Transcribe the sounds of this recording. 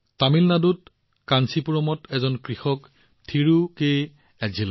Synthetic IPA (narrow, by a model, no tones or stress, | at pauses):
tamilnadut | kansipuɹɔmɔtʰɛzɔnkɹixɔk | tʰiɹukej | ɛzila